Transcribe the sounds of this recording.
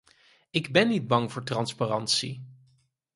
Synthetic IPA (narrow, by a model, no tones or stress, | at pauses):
ɪɡbɛnːid̚bɑŋvʊːɹtrɑnsparɑntsi